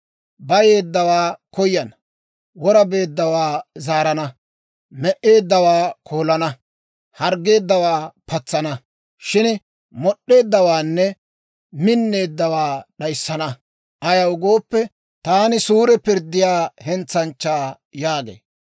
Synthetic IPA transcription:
bɐje̞ːd̪ːɐwaːkɔjːɐn | wɔɾɐbe̞ːd̪ːɐwaːzaːɾɐnɐ | mɛʔe̞ːd̪ːɐwaːkʰo̞ːlɐnɐ | hɐɾɡe̞ːd̪ːɐwaːpɐt͡sːɐnɐ | ʃɪn | mɔɗːe̞ːd̪ːɐwaːnːɛ | mɪnːe̞ːd̪ːɐwaːɗɐjsːɐnɐ | ʔɐjɐwʊɡo̞ːpːɛ | t̪aːnɪsuːɾɛpɪɾd̪ːɪjaːhɛnt͡sːɐnt͡ʃːaː | jaːɡḛː

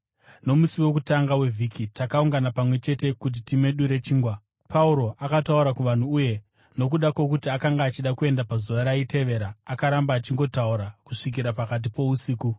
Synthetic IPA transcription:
no̞musiwo̞k̬utaŋɡawe̞vʱikʰitakauŋɡanapamwe̞t͡ʃe̞te̞kut̬itime̞ɗuɾe̞t͡ʃiːŋɡwa | pʰauɾo̞ʔakatauɾakuʋan̤uːje̞ | no̞kuɗakwo̞kutiakaŋɡaːt͡ʃiɗakue̞ndapazuʋaɾaite̞ʋe̞ːɾaːkaɾambaːt͡ʃiŋɡo̞tauɾakuʂik̬iɾapakat̬ipo̞usiːku

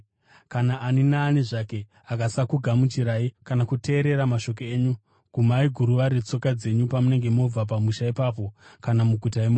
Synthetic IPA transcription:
kanaːninaːniʐake̞ | akasakuɡʱamut͡ʃiɾaikanakute̞ːɾe̞ɾamaʃo̞k̬oeːɲu | ɡ̥ʱumaiɡʱuɾuʋaɾet͡so̞kad͡ze̞ɲupamune̞ŋɡe̞mo̞b͡vap̬amuʃaipaːp̬o̞kanamuɡʱutaemoː

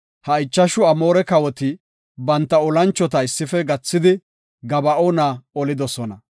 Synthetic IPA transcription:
hɐɪt͡ʃːɐʃʊɐmo̞ːɾɛkɐwɔt̪ɪ | bɐnt̪ːɐɔlɐnt͡ʃːɔt̪ɐɪsːɪfɛɡɐt͡sːɪd̪ɪ | ɡɐbɐoːnaːɔlɪd̪ɔsɔnɐ

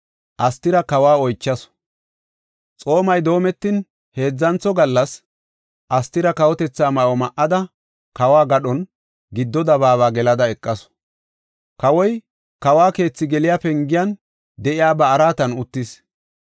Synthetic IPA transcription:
ʔɐst̪ːɪɾɐkɐwaːɔjt͡ʃːɐs | t͡sʼo̞ːmɐjd̪o̞ːmɛt̪ːɪn | he̞ːd͡zːɐnt͡sːɔɡɐlːɐs | ʔɐst̪ːɪɾɐkɐwɔt̪ɛt͡sːaːmɐʔɔmɐʔɐd̪ɐ | kɐwaːɡɐɗɔn | ɡɪd̪ːɔd̪ɐβaːβaːɡɛlɐd̪ɐɛkʼːɐsɔ̥ | kɐwɔj | kɐwaːke̞ːt͡sːɪɡɛlɪjapɛŋɡɪjɐn | d̪ɛʔɪjaːbɐːɾaːt̪ɐnʊt̪ːɪs

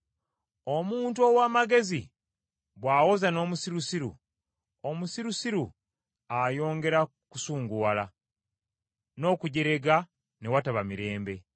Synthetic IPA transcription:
omuːntuo̞waːmaɡe̞zi | βwaːwo̞zano̞ːmusiɾusiɾṵ | omusiɾusiɾu | ajo̞ːŋɡe̞ɾa | kusuːŋɡuwala | no̞ːkuɟe̞ɾe̞ɡa | ne̞wataβamiɾe̞ːmbe̞

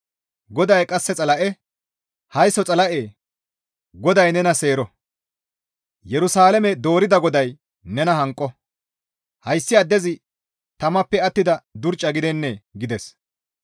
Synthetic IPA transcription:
ɡɔd̪ɐjkʼɐsːɛt͡sʼɐlɐʔɛ | hɐjsɔt͡sʼɐlɐʔeː | ɡɔd̪ɐjnɛnɐse̞ːɾɔ | jɛɾʊsaːlɛmɛd̪o̞ːɾɪd̪ɐɡɔd̪ɐj | nɛnɐɦɐŋkʼːɔ | hɐjsːɪɐd̪ːɛzɪ | t̪ɐmɐpːɛɐt̪ːɪd̪ɐd̪ʊɾt͡ʃʼːɐɡɪd̪ɛnːɛɡɪd̪ɛs

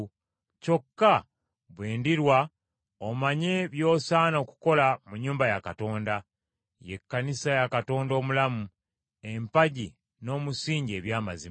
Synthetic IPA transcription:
co̞kːa | βwe̞ːndiɾwa | omaɲe̞βjo̞ːsaːno̞ːku̥ko̞lamuɲːuːmbajakato̞ːnda | je̞̰kːanisajakato̞ːndo̞ːmulamu | empaɟi | no̞ːmusiːɲɟe̞βjaːma̰zi

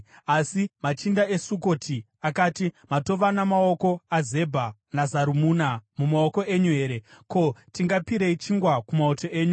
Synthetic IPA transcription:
asimat͡ʃindae̞suko̞tʰi | akaːtimato̞ʋanamaoko̞aze̞bʱanazaɾumuːnamumao̞ko̞ʔe̞ɲuɦe̞ːɾe̞ko̞tiŋɡapiɾeit͡ʃiŋɡwakumaoto̞ʔe̞ːɲu

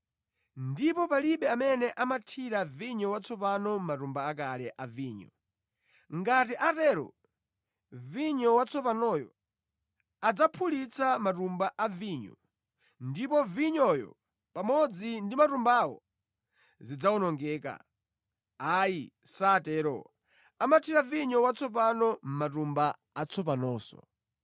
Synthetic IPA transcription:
ndipɔpaliɓɛamɛnɛʔamatʰiɾaviɲɔwat͡sʰɔp̬anɔmatumbaak̬alɛʔaviːɲɔ̰ | ŋɡat̬iʔatɛɾɔ̰ | viɲɔwat͡sʰɔp̬anɔjɔ̰ | ad͡zapʰulit͡sʰamatumbaʔaviɲɔ̰ | ndipɔviɲɔjɔ̰ | pamɔd͡zindimatumbawɔ̰ | zid͡zawɔnɔŋɡɛːka̰ | ai | saːtɛɾɔ̰ | amatʰiɾaviɲɔwat͡sʰɔp̬anɔm̩matumba | at͡sʰɔp̬anɔːsɔ̰

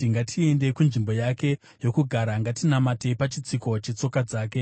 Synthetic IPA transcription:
iŋɡatʰie̞nde̞kunʐimbo̞jake̞ | jo̞kuɡʱaɾaŋɡatinamate̞pat͡ʃit͡siko̞t͡ʃet͡so̞kad͡zaːke̞

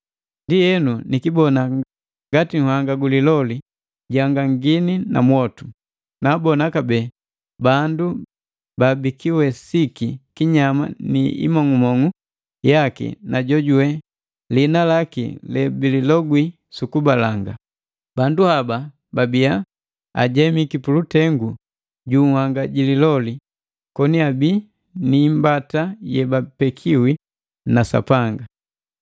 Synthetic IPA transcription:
ndijɛnunikibɔna | ŋɡatiŋ̩hwaŋɡaɡulilɔli | ɟaŋɡaŋɡinina̰mwɔtu | naːbɔnakabɛː | bandu | babikiwɛsikikiɲama̰nḭḭmɔŋumɔŋu | jakḭnaɟɔɟuwɛ | linalakḭlɛbililɔɡwi | sukubalaŋɡa̰ | banduhaba | babia | a̰ɟɛmikipulutɛŋɡu | ɟuwaŋɡaɟililɔli | kɔniabi | niːmbatajɛbapɛkʰiwi | nasa̰paŋɡa

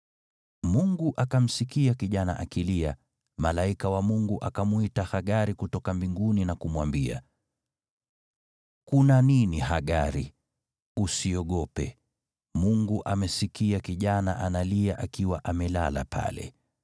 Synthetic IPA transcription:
muŋɡuʔakam̩sikiakiʄana̰ʔakilia | malaikawamuŋɡuʔakamwitahaɠaɾikutɔkambiŋɡuninakumwambia̰ | kunaninihaɠaɾi | usiɔɠɔpɛ̰ | muŋɡuʔamɛsikiakiʄana̰ʔanaliaʔakiwaʔamɛla̰la̰pʰa̰lɛ̰

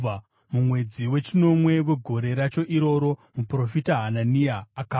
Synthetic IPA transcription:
mumwe̞d͡ziwe̞t͡ʃino̞mwe̞ʋeɡʱo̞ɾe̞ɾat͡ʃo̞ʔiɾo̞ɾo̞mupro̞fitaɦananiaːka

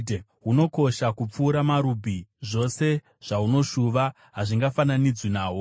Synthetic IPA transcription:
ɦuno̞ko̞ʃakup͡fuːɾamaɾubʱiʐo̞se̞ | ʐ̥auno̞ʃuʋa | ɦaʐiŋɡafananid͡zwinaːwo

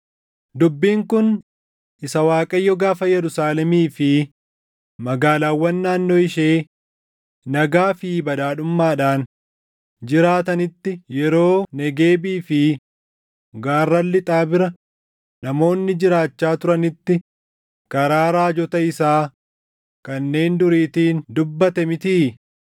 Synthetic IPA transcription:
d̪ʊbːiːŋkʊn | ʔɪsɐwaːkʼɐjːɔɡaːfɐjɛɾʊsaːlɛmiːfɪ | mɐɡaːlaːwːɐnːaːnːoːɪʃeː | nɐɡaːfiːbɐd̪aːɗʊmːaːᶑaːn | d͡ʒɪɾaːt̪ɐnɪt̪ːɪjɛɾo̞ːnɛɡe̞ːbiːfɪ | ɡaːrːɐlːɪt̪ʼaːbɪɾɐ | nɐmo̞ːnːɪd͡ʒɪɾaːt͡ʃːaːt̪ʊɾɐnɪt̪ːɪ | kɐɾaːɾaːd͡ʒɔt̪ɐɪsaː | kɐnːe̞ːnd̪ʊɾiːt̪iːnd̪ʊbːɐt̪ɛmɪt̪iː

